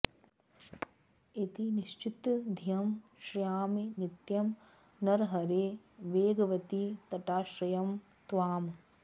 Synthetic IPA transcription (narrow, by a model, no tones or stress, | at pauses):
it̪iniʃt͡ʃit̪d̪ʱijɐmʃɾijaːminit̪jɐm | nɐɾɦɐɾeː | ʋeːɡɐʋɐt̪it̪ɐʈaːʃɾɐjɐm | t̪ʋaːm